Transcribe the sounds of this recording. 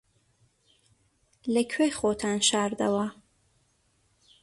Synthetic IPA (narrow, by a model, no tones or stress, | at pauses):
lɐkʰwejχot̪ʰaːnʃaːɾd̪ɐ̰wɐ